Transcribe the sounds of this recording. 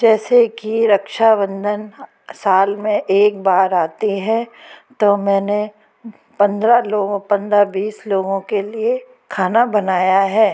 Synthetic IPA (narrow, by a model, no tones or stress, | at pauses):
d͡ʒɛːsekiɾɐkʃaʋə̃nd̪ʱən | saːlmẽʔeːk̚baːɾaːt̪iɦɛt̪omɛ̃ːne | pɐ̃nd̪ɾaloːɡõpɐ̃nd̪ɾabiːsloːɡõkelie | kʰaːnabɐnaːjaɦɛː